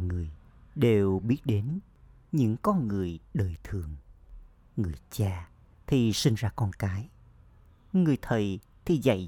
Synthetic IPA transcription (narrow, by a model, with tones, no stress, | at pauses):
ŋɨ˨˩əjɗe˨˩wɓi˦˥ət̚ɗe˨˦n | ɲɨ̰˧˥ŋkɔ˧nŋɨ˨˩əjɗəː˨˩jt̪ʰɨ˨˩əŋ | ŋɨ˨˩əjt͡ɕaː˧ | t̪ʰi˨˩si˧ŋ̟zaː˧kɔ˧nkaː˨˦j | ŋɨ˨˩əjt̪ʰə˨˩j | t̪ʰi˨˩za̰˧˩j